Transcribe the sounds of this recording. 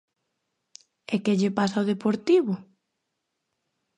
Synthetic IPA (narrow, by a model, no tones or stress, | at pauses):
ekeʎepasaoð̞epoɾt̪iβʊ